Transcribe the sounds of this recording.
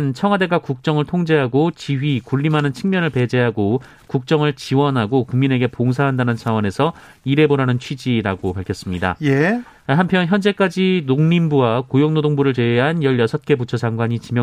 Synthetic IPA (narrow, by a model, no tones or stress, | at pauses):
nt͡ɕʰʌŋɦwade̞ɡakuk̚t͡ɕ͈ʌŋɯɭtʰoŋd͡ʑe̞ɦaɡot͡ɕiɦɥikuɭːimɦanɯnt͡ɕʰiŋmjʌnɯɭpe̞d͡ʑe̞ɦaɡo | kuk̚t͡ɕ͈ʌŋɯɭt͡ɕiwʌnɦaɡokuŋmine̞ɡe̞poŋs̬ʰaɦandanɯnt͡ɕʰawʌne̞sʰʌ | iɾe̞boɾanɯnt͡ɕʰɥid͡ʑiɾaɡopaɭkʰjʌs͈ɯmɲida̰ | ɦampʰjʌnçjʌnd͡ʑe̞k͈ad͡ʑinoŋɲimbuwakojoŋnodoŋbuɾɯɭt͡ɕe̞eɦanjʌɭjʌsʰʌt̚k͈e̞put͡ɕʰʌd͡ʑaŋɡwaɲit͡ɕimjʌ